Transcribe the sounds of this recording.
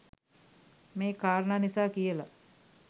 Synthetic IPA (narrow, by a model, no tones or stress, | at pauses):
meːkaːɾɳaːnisaːkijəla